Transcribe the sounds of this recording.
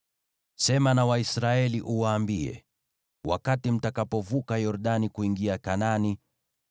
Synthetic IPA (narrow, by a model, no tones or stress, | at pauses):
sɛmanawaisɾaɛliʔuwaːmbiɛ̰ | wa̰katim̩takapɔvukajɔɾɗanikuiŋɡiakanani